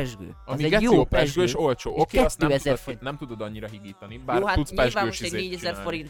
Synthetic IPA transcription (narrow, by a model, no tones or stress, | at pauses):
ɛʒɡø̰ːɒmiɛɛjoːopɛʒɡøːeʃo̞lt͡ʃoːokeːɛt̪ːøːɛzɛfnɛmt̪ud̪o̞d̪ɒɲːiɾɒɦib̪iːt̪ɒnibaːroaut̪spɛʒaøːʃiɛneːɟɛzɛrfoɾint̪